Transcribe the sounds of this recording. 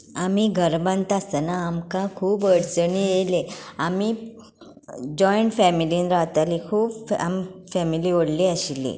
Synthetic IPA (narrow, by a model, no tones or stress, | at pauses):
amiɡʱəɾbənt̪asənaːmkãkʰuːpəɽt͡səɳieleami | d͡ʑɔjɳʈfɛmiliːnɾaʋt̪alikʰuːpamfɛmiliːʋəɽliaɕilḭ